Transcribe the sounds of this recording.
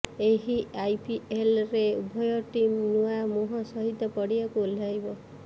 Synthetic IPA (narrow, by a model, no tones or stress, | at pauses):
eɦiajpielɾeubʱɔjɔʈimnuamuɦɔsɔɦit̪ːɔpɔɽibakuoljajbɔ